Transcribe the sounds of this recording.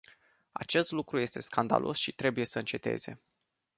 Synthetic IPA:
a̰t͡ʃe̞st̪lukɾuje̞st̪e̞skand̪a̰lʔo̞sʃit̪ɾe̞buje̞səɨnt͡ʃe̞t̪e̞̰z̥e̞̰

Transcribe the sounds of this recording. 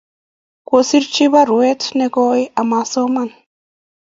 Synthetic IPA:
kʷosiɾt͡ʃiβaɾuet̪neɡojʔamasoman

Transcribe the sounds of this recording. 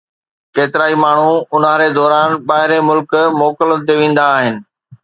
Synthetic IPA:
keːt̪ɪɾaːimaːɳ̤uʊnãɾed̪ɔːɾaːnɓaːɦɪɾemʊlkmɔːkələt̪eʋẽːn̆d̪aːɦɪnɪ̆

